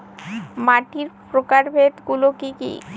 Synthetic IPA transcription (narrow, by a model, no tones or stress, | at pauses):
maʈiɾpɾokaɾbʱet̪ɡulokikḭ